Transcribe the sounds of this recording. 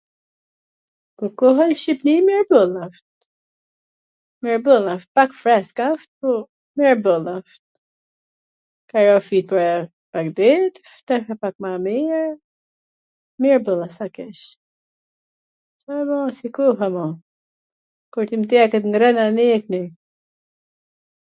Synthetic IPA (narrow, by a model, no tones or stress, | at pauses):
pukuɦanʃipnimiɹbʊlaft̪̚ | miɹbʊlaft̪̚pakfɾɛskaft̪̚pu | miɹbʊlaft̪ | kaɾɔfit̪̚pɔɛ | pakd̪it̪ft̪ɛfɛpak̚mamiɹ | miɹbʊlasakɛʃ | t̪ɔbɔ̃sikuɦamɔ | kuɹt̪imt̪iakət̪ŋɡɾɛnaniɛk̚ni